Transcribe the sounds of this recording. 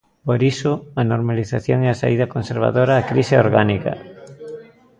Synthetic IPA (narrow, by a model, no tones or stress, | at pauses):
poɾisʊanoɾmaliθaθjoŋeasa̰iðɐkonseɾβ̞a̰ðoɾaːkɾiseoɾɣanikɐ̰